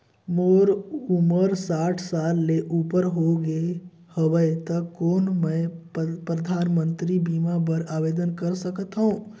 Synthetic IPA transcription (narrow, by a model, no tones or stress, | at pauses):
moːɾuməɾsaʈʰsalːeʔupəɾɦoɡe | həʋəɪt̪əkoːnmə̃ɪpɾəd̪ʱaːnmə̃nt̪ɾibimabəɾaʋed̪ənkəɾsəkət̪ɦũ